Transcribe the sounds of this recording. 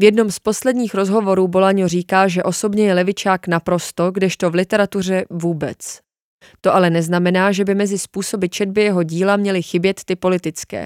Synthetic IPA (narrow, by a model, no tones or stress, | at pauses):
vjɛdno̞mspo̞slɛdɲiːxɾo̞zɦo̞vo̞ɾuːbo̞laɲo̞riːkaːʒɛʔo̞so̞bɲɛjɛlɛvɪt͡ʃaːknapɾo̞st̪o̞ɡdɛʃt̪o̞vlɪt̪ɛɾat̪ur̝ɛvuːbɛ̰t͡s | t̪o̞ʔalɛnɛznamɛnaːʒɛbɪmɛzɪspuːso̞bɪt͡ʃɛd̪̚bɪjɛɦo̞ɟiːlamɲɛlɪxɪbjɛt̪ːɪpo̞lɪt̪ɪt͡skɛ̰ː